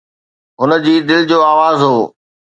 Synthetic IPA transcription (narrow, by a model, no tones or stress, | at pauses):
ɦʊnə̆d͡ʑiːd̪ɪld͡ʑoːaːʋaːzɦoː